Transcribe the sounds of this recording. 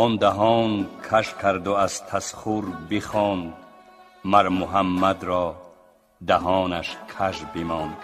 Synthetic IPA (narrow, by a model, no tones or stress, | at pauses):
ɔnd̪aɦɔːnkʰaʃkʰaɾd̪uazt̪ʰasχuɾbiχɔːnd̪ | maɾmuɦamːad̪ɾɔː | d̪aɦɔːnaʃkʰaʃbimɔnd̪